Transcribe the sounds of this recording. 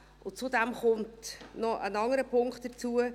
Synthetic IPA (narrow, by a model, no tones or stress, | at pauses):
ʊnt͡sudɛmχʊmtnɔʔənɑŋəɾəpʰʊŋkχt̚d̥əɾt͡suə